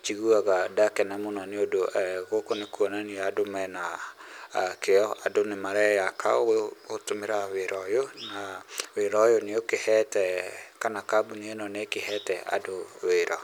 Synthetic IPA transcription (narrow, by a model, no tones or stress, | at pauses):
t͡ʃiɣuaɣadakɛnɛmonaneodoʔɛɣokonekuɔnaniadomɛna | keɔadonemaɾɛjakʰa̰owɛotomeɾaweɾɔjonaweɾɔjoneokehɛtɛkanakabuneenɔnekehɛtɛa̰doweɾɔ